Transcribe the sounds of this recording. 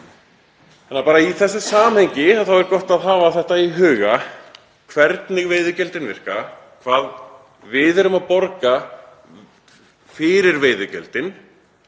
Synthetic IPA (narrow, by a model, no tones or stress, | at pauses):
anːapaːɾaiθɛsːɪsaːmhɛɲcɪaθawɛɾkɔht̪aðɦaːvaθɛht̪aiɦʏːɣa | kʰvɛɾt̪nɪɣveːjðʏcɛlt̪ɪnvɪr̥ka | kʰvaːð | vɪðɛɾʏmaðpɔɾka | fɪɾɪɾveːjðʏcɛ̰lt̪ɪn